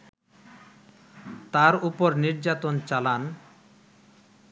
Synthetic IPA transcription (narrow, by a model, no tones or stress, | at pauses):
t̪aɾupoɾniɾd͡ʑat̪ont͡ɕalan